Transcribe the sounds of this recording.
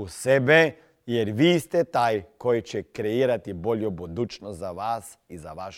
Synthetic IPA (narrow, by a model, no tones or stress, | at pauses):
usɛbɛ | jeɾʋiːst̪ɛt̪aːjkojt͡ɕɛkɾeiːɾat̪iboljobud̪uːt͡ʃnozaʋaːs | izaʋaʃ